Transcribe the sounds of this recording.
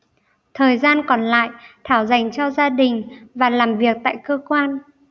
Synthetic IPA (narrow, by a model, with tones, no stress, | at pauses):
t̪ʰəː˨˩jzaː˧nkɔ˨˩nla̰ː˧˨jt̪ʰaː˧˩wza˨˩jŋ̟t͡ɕɔ˧zaː˧ɗï˨˩ŋ̟vaː˨˩laː˨˩mvi˨˩ək̚t̪a̰ː˧˨jkəː˧kwaː˧n